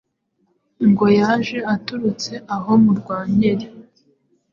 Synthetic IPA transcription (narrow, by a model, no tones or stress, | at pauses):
ŋɡo̞jaːʒe̞atuɾut͡se̞ʔaɦo̞muɾɡwaːɲeɾe